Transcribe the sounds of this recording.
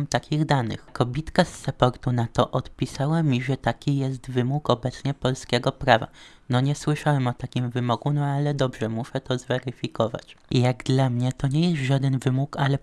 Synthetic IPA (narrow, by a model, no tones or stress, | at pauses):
mt̪akʲiɣd̪anɘ̰xkɔbʲit̪kasːapɔɾt̪unat̪ɔʔɔt̪pʲisawamʲiʐɛt̪akʲijɛst̪vɘmukɔbɛt̪sɲɛpɔlskʲɛɡɔpɾava̰nɔɲɛswɘʂawɛmɔt̪akʲimvɘmɔɡunɔalɛd̪ɔbʐɛmuʂɛt̪ɔzvɛɾɘfʲikɔva̰t͡ɕjaɡd̪lamɲɛt̪ɔɲɛjɛst̪ʐad̪ɛnvɘmukalɛ